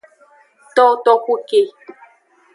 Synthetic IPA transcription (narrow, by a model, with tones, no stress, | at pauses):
t̪ɔ˦t̪ɔ˧kʷu˦ke˨